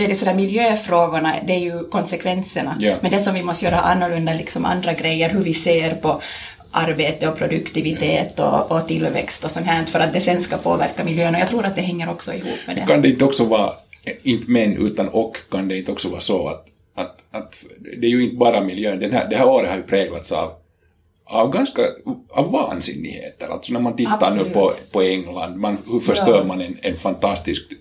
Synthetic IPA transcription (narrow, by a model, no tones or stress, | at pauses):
d̪ɛdɛsɔd̪æːɾmɪljøːfɾoːɡʊɳad̪ɛːjɵkʰɔnsɛkʰvɛnsəɳamɛnd̪ɛsɔmvɪmɔst̪jøːɾa̰ʔanːɔlɵnd̪alɪksɔmʔa̰nd̪ɾaɡɾɛjːəɾɦʉɾvɪseːɾpɔ | ʔaɾbeːt̪əɔpʰɾɔd̪ɵkt̪ɪvɪt̪ʰeːt̪ɔ̰ːt̪ɪlːvɛ̰kst̪ɔsɔmɦæɳt̪fœɾʔat̪̚d̪ɛsɛnskapʰo̰ːvæ̰ɾkamɪljøːənɔjɑːt̪ʰɾuːɾat̪̚d̪ɛɦɛŋːəɾɔksɔɪhṵːpːmɛ̰d̪ɛ̰kʰand̪ɛɪnt̪əɔksɔvɑːɪnt̪əmɛnːʔʉ̟̰ːt̪ɑnɔkːʰand̪ɛint̪ɔksɔvɑ̰ːsɔa̰t̪ | ʔɑt̪ɑt̪d̪ɛæɾjʉɪnt̪bɑːɾamɪljøːnd̪ɛnhæ̰d̪ɛhæːɾoːɾət̪hɑɾjɵpʰɾɛːɡla̰t̪sɑ̰v | ɑvɡɑnskɑɑ̰vːɑ̰ːnsɪ̰nːɪ̰ɡhḛːt̪əɾa̰lt̪sɔnæɾmant̪ɪt̪ːanʉːpʰɔpɔɛŋːland̪manhɵfœʂt̪øːɾmanɛnɛnfant̪ɑst̪ɪsk̚